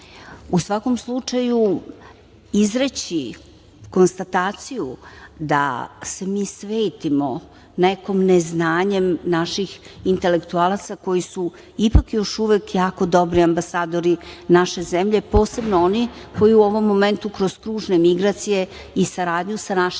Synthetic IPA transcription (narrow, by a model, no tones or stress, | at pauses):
usʋako̞mslˠut͡ʂaju | izɾet͡ɕi | ko̞nst̪at̪aːt̪sijud̪a̰se̞miːsʋeːt̪imo̞ | ne̞ko̞mneznaːɲe̞mnaʃixint̪e̞le̞kt̪ualˠat̪sako̞jisu | ipakjo̞ʃuʋekjaːko̞d̪o̞bɾiambasaːd̪o̞ɾinaʃe̞zemʎe̞po̞ːse̞bnoonikʰo̞jiuo̞ʋo̞mːome̞nt̪ukɾo̞z̥kɾuːʐne̞miɡɾat̪sije̞ | isaɾaːd̪ɲusanaʃ